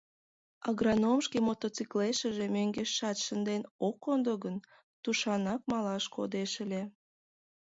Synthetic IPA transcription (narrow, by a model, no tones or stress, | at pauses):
ɑɣrɑnomʃkimot̪ot͡sikleʃəʒemøŋɡeʃːɑt̪ʃənd̪enokond̪oɣən | t̪uʃɑnɑk̚mɑlɑʃko̰d̪eʃəlʲe